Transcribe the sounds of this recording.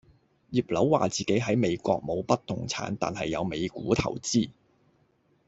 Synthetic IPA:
jiː˨˩p̚lɐ˨˥wwaː˨t͡siː˨˩ke˨˥jɦɐ˨˥jme˨˧jkʷɔː˧k̚mo˨˧wpɐ˥t̚t̪ʊ˨˩ŋt͡sʰa̰ː˨˥nt̪a̰ː˨nhɐ˨jːɐ˨˧wme˨˧jkṵː˨˥t̪ʰɐ̰˨˩wt͡siː˥˩

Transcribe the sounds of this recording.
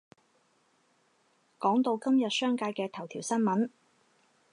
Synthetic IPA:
kɔː˨˥ŋt̪o˧wkɐ˥mjɐ˨t̚sœː˥ŋkaː˧jkɛː˧t̪ʰɐ˨˩wt̪ʰiː˨˩wsɐ˥nmɐ˨˥n

